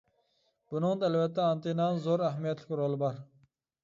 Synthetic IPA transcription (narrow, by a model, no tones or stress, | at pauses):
b̥unɨŋd̪ælvɛt̪ːɛɑnt̪enɑnzoɾæɦmijɛt̪lɪkʲɾolˠɨbɑɾ